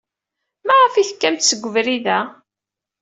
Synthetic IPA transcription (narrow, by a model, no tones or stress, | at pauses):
mæʁəfiθkːæmt̪səɡʷːəvɾiðæ